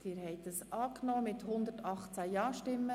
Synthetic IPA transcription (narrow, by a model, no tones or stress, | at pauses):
d̥ɪːɾhɛɪt̪əsʔɑːknɔːmɪt̪hʊnd̪ətɑχt͡sæjɑːʃtɪmːə